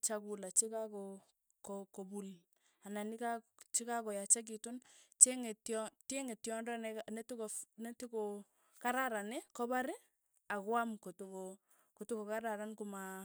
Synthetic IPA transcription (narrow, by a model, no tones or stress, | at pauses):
t͡ʃakulat͡ʃikakɔ | kɔkɔbul | ananikat͡ʃikakɔjat͡ʃak̬itunt͡ʃeŋetɔteŋetjɔndɔnnetikonetiko | kaɾaɾanekɔbaɾɪ | akwamkotuko | kotukokaɾaɾankuma